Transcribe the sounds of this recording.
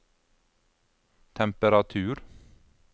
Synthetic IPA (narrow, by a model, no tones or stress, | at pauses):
t̪ʰɛmpəɾɑt̪ʰʉːɾ